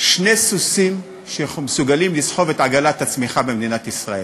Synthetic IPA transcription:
ʃne̞susim | ʃeχmesuɡalimlisħo̞ve̞tʕaɡalat̪at͡smiχabemd̪inat̪isʁae

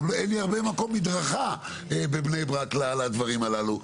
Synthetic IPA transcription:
enliaʁbemako̞mːid̪ʁaχa | ebebnejbʁaklalad̪vaʁimalalu

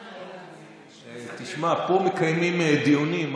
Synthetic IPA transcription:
t̪iʃmapomekajmimed̪iunim

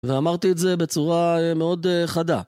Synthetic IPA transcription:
veamaʁt̪iːtze̞be̞t͡suʁaemeo̞d̪eχad̪a

